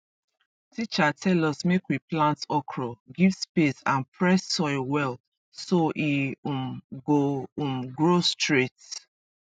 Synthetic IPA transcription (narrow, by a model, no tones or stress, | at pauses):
tʰit͡ʃatʰɛlɔsmekwiplãntɔkʰɹɔɡivspesãnpʰɹɛsːɔɪwɛl | soʔiumɡoũmɡɹostɹet